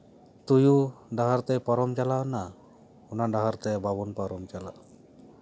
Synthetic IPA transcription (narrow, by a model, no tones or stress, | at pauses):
t̪ujudaɦaɾt̪ɛpaɾɔmt͡ʃalana | unadaɦaɾt̪ɛbabɔnpaɾɔmt͡ʃala̰